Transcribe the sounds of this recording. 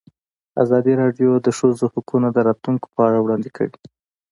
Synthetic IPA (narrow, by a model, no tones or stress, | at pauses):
a̰zɑd̪iɾɑɖjod̪əʃozohʊkunad̪əɾɑt̪luŋko̥pəaɽawɽɑnd̪ɪkʰə̰wi